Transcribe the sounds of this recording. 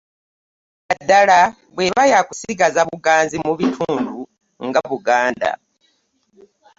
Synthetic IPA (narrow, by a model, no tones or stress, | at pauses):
adːala | βwe̞ːβajakusiɡazaβuɡaːnzimuβitʰuːndu | ŋɡaβuɡaːnda̰